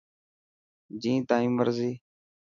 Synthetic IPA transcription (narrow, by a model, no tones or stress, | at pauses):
d͡ʒĩːt̪aːĩːməɾziː